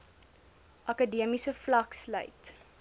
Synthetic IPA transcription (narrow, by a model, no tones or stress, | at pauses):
ʔɐkədiəmisəflɐkslœ̰jt